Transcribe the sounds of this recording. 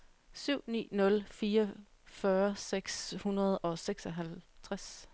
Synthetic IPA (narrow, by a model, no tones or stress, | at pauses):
syʊ̰nḭːnɔ̽lfiːɐ | fɶːɐseɡ̥shunɐð̞ˠɒ̽seɡ̥sɒɦælt͡sʰʁas